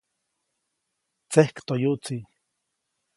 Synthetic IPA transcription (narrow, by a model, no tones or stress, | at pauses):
t͡sehkt̪ojuʔt͡si